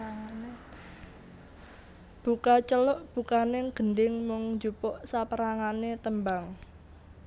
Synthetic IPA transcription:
b̥ukat͡ʃəlɔʔb̥ṳkaneŋɡ̥ə̤ndɪŋmʊŋɲd͡ʒupɔʔsapəɾaŋanet̪əmbaŋ

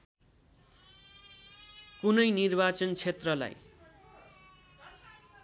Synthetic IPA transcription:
kunʌjnirbat͡sʌnt͡sʰet̪rʌla̰j

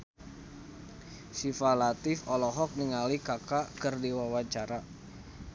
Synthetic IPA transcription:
sifalat̪ɪfɔlɔɦɔk̚niŋalikakakərdiwawaɲt͡ʃaɾa

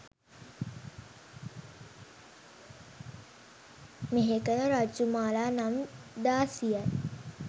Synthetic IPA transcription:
meɦekənəɾad͡ʒumaːlaːnamd̪aːsijə

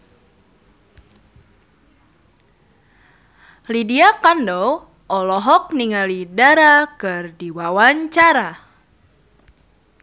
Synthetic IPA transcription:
lidiakandɔw | ʔɔlɔɦɔk̚niŋalidaɾakɨrdiwawaɲt͡ʃaɾa

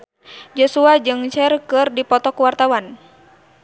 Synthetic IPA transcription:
d͡ʒɔsuad͡ʒɨŋt͡ʃɛrkɨrdipɔt̪ɔkuwart̪awan

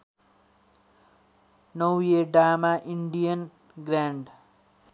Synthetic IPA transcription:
nʌwjeɖamaʔiɳɖijʌn | ɡɾaɳɖ

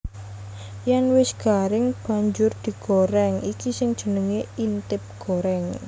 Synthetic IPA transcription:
jaŋwɪsɡ̥aɾɪŋb̥a̤ɲd͡ʒʊrd̪̥i̤ɡ̥oɾɛŋikisɪŋd̥ʒ̥ə̤nəŋeint̪ɪp̚ɡ̥oɾɛŋ

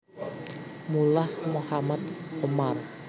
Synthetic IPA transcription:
mulahmohamat̪̚omar

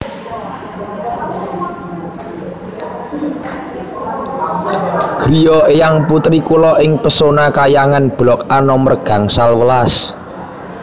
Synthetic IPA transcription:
ɡ̥ɾijɔejaŋput̪ɾikulɔʔɪŋpəsonakajaŋanb̥lɔkanɔmərɡ̥a̤ŋsalwəlas

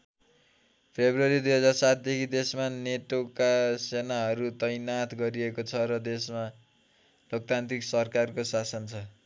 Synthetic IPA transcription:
pʰebrʌɾid̪ujɦʌd͡zarsat̪̚ʰd̪ekʰid̪esmaneʈokasenaɦʌɾut̪ʌjnat̪ʰɡʌɾiekot͡sʰʌɾʌd̪esma | lok̚t̪ant̪riksʌrkarkosasʌnt͡sʰʌ

